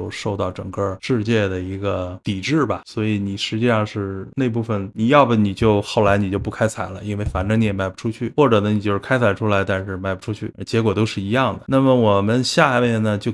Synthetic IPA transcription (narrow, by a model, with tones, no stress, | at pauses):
o˥˧ʊʂo˥˧ʊt̪ɑ˥˩ʊʈ͡ʂɤ̰˨˩ŋkə˥˧ʂɻ̩˥˧t͡ɕjɛ˥˩d̪ə˩i˧˥ɡə˧t̪i˨˩ʈ͡ʂɻ̩˥˩bɐ˩swɔ˧˥i˧˥ni˨˩ʂɻ̩˧˥t͡ɕi˥˧ʂɑ˥˧ŋʂɻ̩˥˩˧ne˥˧ɪp̬u˥˩fə˩nni˨˩jɑ˥˩ʊbə˨˩ni˨˩t͡ɕjo˥˧ʊxo˥˩ʊla˧˥ɪni˨˩t͡ɕjo˥˧ʊp̬u˥˩kʰa˥ɪt͡sʰa̰˨˩ɪlə˦i˥nwe˥˩ɪfa˨˩nʈ͡ʂɤ˥ŋni˧˥ɛ˨˩ma˥˩ɪu̥˧˩ʈ͡ʂʰu˥t͡ɕʰy˥˩xwɔ˥˩ʈ͡ʂɤ˨˩nə˧˦ni˨˩t͡ɕjo˥˧ʂɻ̩˥kʰa˥ɪt͡sʰa˨˩ɪʈ͡ʂʰu˥la˧˥ɪt̪a˥˧nʂɻ̩˥˧ma˥˩ɪpu˧˩ʈ͡ʂʰu˥t͡ɕʰy˥˩˧t͡ɕjɛ˧˥k̬wɔ˨˩t̪o˥ʊʂɻ̩˥˩i˧˥jɑ˥˩ŋd̪ə˩na˥˩mə˩wɔ˨˩mə˧˦nɕja˥˧mjɛ˥˩nə˨t͡ɕjo˥˧ʊ